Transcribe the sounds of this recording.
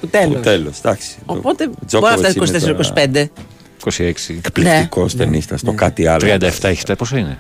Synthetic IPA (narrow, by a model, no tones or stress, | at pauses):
kut̪eloselosd̪ɐksi̥opot̪ezobɐt̪ɐsikosist̪eseɾikosi̥pend̪e | kosieksiekpliteikost̪enist̪ɐst̪okɐt̪iɐlt̪ɾiɐnd̪ɐeft̪ɐeç̥t̪ɐposoine